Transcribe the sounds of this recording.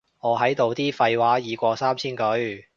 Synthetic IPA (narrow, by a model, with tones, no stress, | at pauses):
ŋɔː˨˧ɦɐ˨˥jt̪o˨wt̪iː˥fɐ˧jwaː˨˥jiː˨˧kʷɔː˧saː˥mt͡sʰiː˥nkɵ˨˥ɥ